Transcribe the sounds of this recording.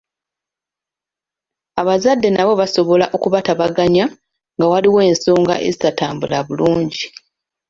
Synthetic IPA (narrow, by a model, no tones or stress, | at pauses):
aβazadːe̞naβo̞βaso̞βo̞laʔo̞kuβataβaɡaɲa | ŋɡawaliwe̞ːnso̞ːŋɡa̰ʔe̞̰zisataːmbulaβuluːɲɟi